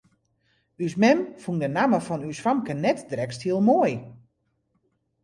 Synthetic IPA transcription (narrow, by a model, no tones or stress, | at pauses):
ysmɛmfundənaməfɔnysfamkənɛtdrɛksthiəlˠmoəj